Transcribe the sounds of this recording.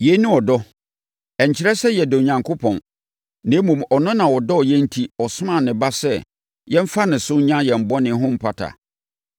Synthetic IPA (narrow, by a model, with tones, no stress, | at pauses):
je˨˦nʊ̃˦ɔ˨dɔ˦ | ɛ˨ɲ̩˨t͡ɕʰɪ˦ɾɛ˦sɛ˦jɛ˨dɔ˨ɲã˨ŋkʰo˦pʰɔ̰̃˨n | nɪ̃˨˦mũ˨mɔ˨nʊ̃˦nã˨wɔ˨dɔ˦ɔ˨jɛ̃˦n̩˦tʰi˦ɔ˨sʊ̃˦mã˦˨nɪ̃˨ba˦sɛ˦ | jɛ̃˦m̩˦fa˦nɪ̃˨sʊ˦ɲã˦jɛ˨m̩˨bɔ˦nɪ̃˨ɦʊ̃˦m̩˦pʰa˨tʰa̰˨